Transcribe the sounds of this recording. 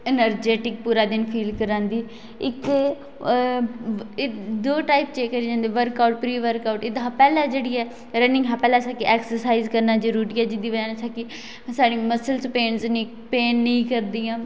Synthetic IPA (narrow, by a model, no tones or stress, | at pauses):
ɛnəɾd͡ʒeːʈɪk̚puːɾaːd̪ɪnpʰiːlkəɾãːnd̪iː | ɪkeː | d̪oːʈaːipt͡ʃeːkːəɾiːd͡ʒãːnd̪eːʋəɾkauʈ̚pɾiːʋəɾkaːuʈɪd̪ɦaːpɛːlaːd͡ʒeːɽiːɛː | ɾənɪ̃ŋɡɦaːpɛːlaːsaːkɪʔɛːksəɾsaːizkəɾnaːd͡ʒəɾuːɾiːɛːd͡ʒɪd̪iːʋəd͡ʒaːnsaːkɪ | saːɽiːməsəlspeːnt͡ʃniː | peːnːĩːkəɾd̪iːãː